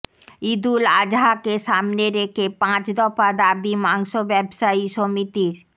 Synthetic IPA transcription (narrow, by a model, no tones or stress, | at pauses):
id̪ulad͡ʑɦakeʃamneɾekʰepãt͡ɕd̪ɔfad̪abimaŋʃobɛbʃaiʃomit̪iɾ